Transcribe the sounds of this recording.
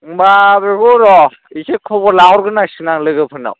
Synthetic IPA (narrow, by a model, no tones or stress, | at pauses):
babeɡuɾɔ | ikekʰɔbɔɾlaɦɔɾɡɯnasinaŋlɯɡɯpʰɯna̰w